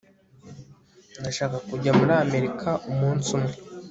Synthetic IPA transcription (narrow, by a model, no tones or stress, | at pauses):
ndaʃaːkakuɟamuɾaːme̞ɾikʰaʔumuːnsumŋe